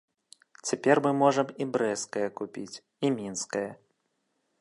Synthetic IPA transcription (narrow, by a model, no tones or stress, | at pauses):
t͡sʲapʲɛrmɨmɔʐɐmibɾɛskɐjɐkupʲit͡sʲ | imʲinskɐjɐ